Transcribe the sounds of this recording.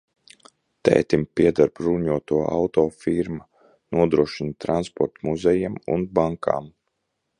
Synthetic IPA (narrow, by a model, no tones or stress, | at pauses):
t̪ɛ̰ːt̪impiɛd̪aɾbɾuɲuɔt̪uɔa̰wt̪ɔːfiɾma | nuɔd̪ɾuɔʃint̪ɾanspɔ̰ɾt̪muzɛjɛmṵnbaŋka̰ːm